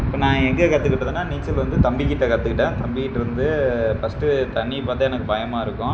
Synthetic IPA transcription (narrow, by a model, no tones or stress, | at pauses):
pːɐnãːɛŋɡɐkɐt̪ːɯkːɪʈːɐðɯnːaːniːt͡ʃːɪlʋɐnd̪ɯt̪ɐmbɪkːɪʈːɐkɐt̪ːɯkːɪʈːẽːt̪ɐmbɪkːɪʈːɪɾɯnd̪ɯfɐsʈɯt̪ɐɳːipaːt̪ːɐːɛnɐkːɯbɐjɐmaːɪɾɯkːʊ̃